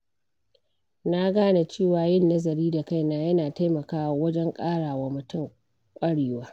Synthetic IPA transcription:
na˦ɡaː˦na˨t͡ʃeː˦˨waː˨jɪ˦˨nːɐ˦zɐ˨ɾiː˦da˨ka˦˨jnaː˦jɐ˦naː˨ta˦jmɐ˨kaː˦wa˨˦wɐ˦d͡ʒɛ˦ŋkʼaː˦ɽaː˨wa˨mʊ˨tʊ˦˨ŋ | kʷʼɐ˦ɽeː˨waː˦

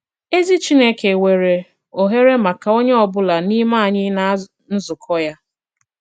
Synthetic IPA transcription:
e˦zi˦t͡ʃi˦ne˦ke˨we˨ɾe˨ | o˨ɦe˦ɾe˦ma˨ka˨o˦ɲe˦ɔ˨bʊ˦la˨ni˦ma˦˨ɲɪ˦na˦ | n̩˦zʊ˨kʰɔ˦ja˦

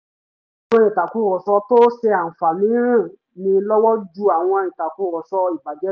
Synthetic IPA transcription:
ɔ̃˧˦ĩ˨ta˨ku˦ɾɔ˨sɔ˧to˦se˧a˨fa˨nĩ˨˦ɾĩ˦˨ | nĩ˧lɔ˦wɔ˦d͡ʒu˦a˨w̃ɔ̃˧i˨ta˨ku˦ɾɔ˨sɔ˧i˨ba˨d͡ʒɛ˦

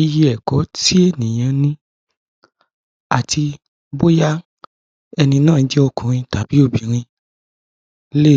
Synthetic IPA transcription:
i˧ji˧ɛ˨kɔ˨˦ti˦e˦˨nĩ˨j̃ã˧nĩ˧ | a˨tʰi˧ | bo˦ja˦ | ɛ˧nĩ˧nãː˦˨˦d͡ʒɛ˦ɔ˧˨kũ˨ɾ̃ĩ˧ta˨˦b̥i˨˦o˦˨bi˨ɾ̃ĩ˧ | le˦˨

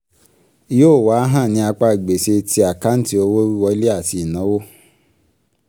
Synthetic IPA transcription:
i˦joː˦˨wa˨˦ɦã˦˨nĩ˧˦a˧k͡pa˧˦˨ɡ͡be˨se˧tʰi˦a˨ka˦n̩˦ti˦o˧wo˦ɾi˦wɔ˧˦li˦a˦˨ti˧i˨nã˨˦wo˦

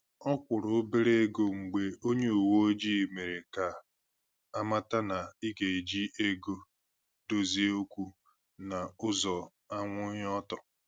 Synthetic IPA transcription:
ɔ˦kʷʊ˨ɾʊ˨˦be˦ɾe˦ɡo˦ŋ͡m̩˨ɡ͡be˨ʔo˦ɲe˦u˨wo˦o˦d͡ʒi˦˨me˨ɾe˨ka˨ | a˦ma˦ta˦na˨i˦ɡe˨e˨d͡ʒi˦ʔe˦ɡo˦ | do˦zi˦o˦kʷu˦ | na˨ʊ˦zɔ˨ | a˦ŋʷʊ˦ɲ˦ɔ˦tɔ˨

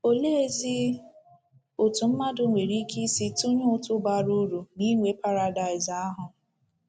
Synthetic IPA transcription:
o˨le˦e˦zi˦ | o˨tu˨m̩˦ma˦dʊ˨˦ŋʷe˨ɾi˦ki˦si˦tu˦ɲʊ˦ʊ˦tʊ˦ba˨ɾu˦ɾu˨ni˦ŋʷe˨pa˦ɾa˨da˨ɪ˨za˦ɦʊ˨

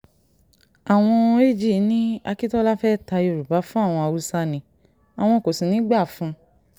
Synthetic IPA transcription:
a˨w̃ɔ̃˧e˦˨d͡ʒi˦˨˦nĩ˦a˧ki˦tɔ˦la˦fɛ˦˨ta˧i˦˧o˧˨ɾu˨ba˨˦fũ˦a˦˨w̃ɔ̃˧a˧ɾu˧sa˧nĩ˨˧˦ | a˨w̃ɔ̃˧˨ko˨sĩ˨nĩ˦ɡ͡ba˦˨fũ˧

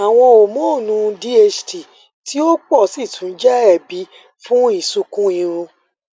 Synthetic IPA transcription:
a˨w̃ɔ̃˧o˨mõ˦˨nũ˧di˦e˧d͡ʒti˨ | ti˦o˦k͡pɔ˦˨si˦˨tʰũ˨˦n˦d͡ʒɛ˦ɛ˦˨bi˨˦ | fũ˦i˦˨su˧kũ˦ĩ˧ɾ̃ũ˧

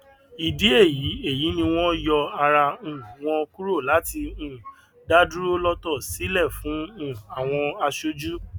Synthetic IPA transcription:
i˨de˦e˦˨ji˨˦e˦˨ji˨˦nĩ˧w̃ɔ̃˦jɔ˧a˧ɾa˧ũ˨w̃ɔ̃˧ku˦ɾo˦˨la˨˦ti˧ũ˨ | da˦du˦ɾo˦lɔ˦tɔ˦˨si˨˦lɛ˦˨fũ˨˦ũ˦˨a˨w̃ɔ̃˧a˧ʃo˦d͡ʒu˦

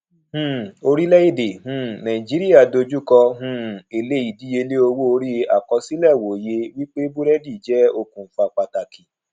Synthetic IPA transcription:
hũ˦˨o˧ɾi˦lɛ˦i˦˨de˨hũ˦˨nã˨ĩ˨d͡ʒi˨˦ɾi˦ja˦˨do˧d͡ʒu˦kɔ˧ɦũ˦˧˨e˨le˦i˨di˨˦je˧le˦o˧wo˦o˧ɾi˦a̰˨kɔ˧si˦lɛ˦˨wo˨je˧wi˦k͡pe˦bu˦ɾɛ˦di˦˨d͡ʒɛ˨˦o˧kũ˨fa˧˨k͡pa˧ta˨ki˨

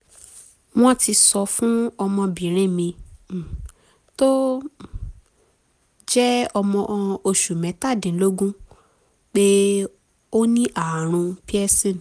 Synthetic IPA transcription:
w̃ɔ̃˦ti˧sɔ˧fũ˦ɔ˧mɔ̃˧bĩ˨˦ɾ̃ĩ˦˨mĩ˧˨ | to˦ | d͡ʒɛ˦ɔ˧mɔ̃˧ʔo˧ʃu˨mɛ̃˨˦ta˦˨dĩ˨˦lo˦ɡũ˦ | k͡pe˦ | o˦nĩ˦ʔa˨ɾ̃ũ˧pi˦ɛ˦sĩ˦˨n˨

